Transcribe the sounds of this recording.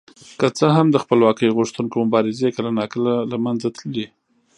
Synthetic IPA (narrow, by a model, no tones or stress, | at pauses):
kət͡səɦamd̪əxpəlwɑkəjɣʊʂt̪unkomʊbɑɾɪzekəlanɑkəlalamanzat̪ləli